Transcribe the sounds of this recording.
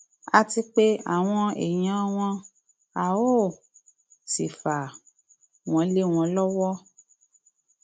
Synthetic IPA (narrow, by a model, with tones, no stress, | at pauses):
a˧ti˧k͡pe˦a̰˨w̃ɔ̃˧ḛ˨j̃ã˨˦w̃ɔ̃˧ | a˨o˦˨ | si˨fa˨ | w̃ɔ̃˧˦le˦w̃ɔ̃˧lɔ˦wɔ˦